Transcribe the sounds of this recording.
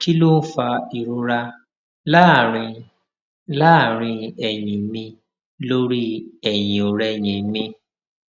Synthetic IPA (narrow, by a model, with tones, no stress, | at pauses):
ki˦lo˦fa˧i˨ɾo˧ɾa˧ | la˦˨ɾĩ˧ | la˦˨ɾ̃ĩ˧ɛ˨jĩ˨mĩ˧ | lo˦ɾi˦ɛ˨j̃ĩ˨o˨ɾɛ˧˨j̃ĩ˨mĩ˧